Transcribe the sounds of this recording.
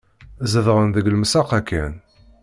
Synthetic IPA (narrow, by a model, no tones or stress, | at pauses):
zəðʁənðəɡlmsɑqækːæn